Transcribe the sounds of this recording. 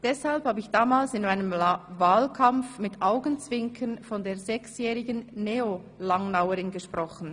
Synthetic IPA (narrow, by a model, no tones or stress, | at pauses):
d̥ɛshalphaːbəɪçd̥aːmaːlsɪnmaɪnəmvaːlkʰamfmɪtʔaʊɡənt͡sv̥ɪŋkʰənfɔndeːɐzɛksjɛːʁɪɡənːeo | laŋnaʊəʁɪnɡəʃpʁɔχn̩